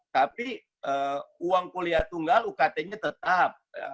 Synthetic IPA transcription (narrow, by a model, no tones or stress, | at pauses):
t̪api | ʔəːuwaŋkoliat̪uŋɡalukat̪eɲat̪ət̪ap̚ja̰